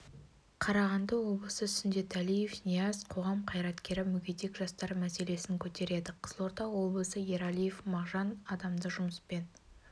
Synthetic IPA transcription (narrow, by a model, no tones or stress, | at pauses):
qʰɑɾɑʁɑnd̪ɑwo̞blˠəsəsɪnd̪et̪ælije̞fnʲijɑzqʰo̞ʁɑmqʰɑjɾɑt̪kʲe̞ɾɪmʏɡʲet̪ekʒ̥ɑst̪ɑɾmæse̞le̞sɪŋkʲʰɵt̪e̞ɾe̞d̪ɪqʰəz̥əlˠo̞ɾt̪ɑwo̞blˠəsəje̞ɾɑlʲije̞fmɑʁʒɑnɑd̪ɑmd̪əʒʊməspe̞n